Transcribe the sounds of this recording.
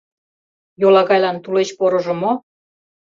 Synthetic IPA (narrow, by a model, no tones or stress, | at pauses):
jolɑɣɑjlɑnt̪ulet͡ɕpoɾŏʒə̆mo